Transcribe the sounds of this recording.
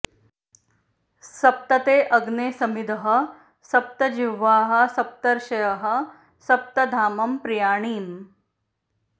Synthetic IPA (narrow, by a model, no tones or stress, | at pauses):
sɐp̚t̪ɐt̪eːʔɐɡneːsɐmid̪ɐɦɐ̆ | sɐp̚t̪ɐd͡ʒiʋːaːɦɐ̆sɐp̚t̪ɐɾʃɐjɐɦɐ̆ | sɐp̚t̪ɐd̪ʱaːmɐmpɾijaːɳ̃iːm